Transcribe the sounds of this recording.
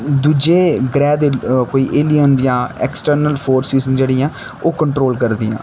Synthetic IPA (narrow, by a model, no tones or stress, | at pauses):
d̪uːd͡ʒeːɡɾɛːd̪koːiːʔeːlijənjãːɛ̰ːksʈəɾnəlpʰoːɾsizd͡ʒeːɽiːɛ̃ː | oːkəɳʈɾoːlkəɾd̪ḭːɛ̰̃ː